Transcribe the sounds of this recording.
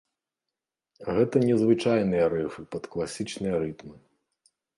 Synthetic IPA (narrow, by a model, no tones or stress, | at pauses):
ɣɛt̪ɐnʲɛzvɨt͡ʂajnɨjɐɾɛfɨpɐt̪klˠasʲit͡ʂnɨjɐɾɨt̪mɨ